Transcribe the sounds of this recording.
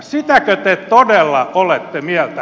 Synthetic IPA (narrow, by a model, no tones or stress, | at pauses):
sit̪ækøt̪et̪odelːɑolet̪ːemiɛlt̪æ